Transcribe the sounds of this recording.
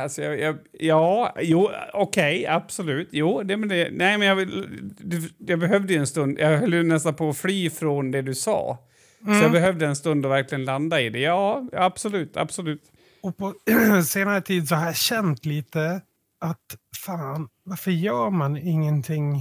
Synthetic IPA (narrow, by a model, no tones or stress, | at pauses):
alsɔjɑjɑjɑːjuːɔkʰɛjab̥sɔlʉ̟ːt̪juːd̪ɛmɛɛnæɪmɛnjɑvd̪ɵjɑbɛɦœvd̪əjɛnst̪ɵnd̪jʔɑɦœlːənɛst̪anpʰɔːflyːfɾɔnd̪ɛd̪ɵsɑ̰ː | sɔjɑːbɛɦœvd̪əɛnst̪ɵnd̪ɔvæɾklɪɡənland̪aɪd̪ɛjɑːjab̥sɔlʉ̟ːt̪ʰa̰b̥sɔlʉ̟ːt̪ | ɔpʰɔseːnaɾət̪ʰiːd̪sɔhaɾjaɕɛnt̪liːt̪ə | ʔat̪faːnvaɾfəjœːɾmanɪŋːənt̪ʰɪŋ